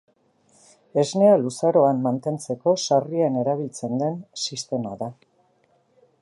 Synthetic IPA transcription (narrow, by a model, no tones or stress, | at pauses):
e̞zne̞alusaɾo̞amːant̪e̞nt͡se̞ko̞sariane̞ɾaβ̞ilt͡se̞nd̪e̞nsist̪e̞ma̰ða